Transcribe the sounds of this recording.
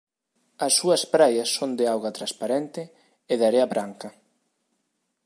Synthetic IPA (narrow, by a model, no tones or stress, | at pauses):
ɐsːuɐspɾajɐsːond̪ɪawɣɐt̪ɾaspaɾent̪ɪ | eðaɾeɐβɾaŋkɐ